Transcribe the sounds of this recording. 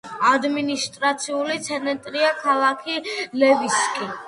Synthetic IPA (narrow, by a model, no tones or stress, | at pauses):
ad̪minist̪ʼɾat̪sʰiulit̪sʰɛnɛnt̪ʼɾiakʰalˠakʰilɛviskʼi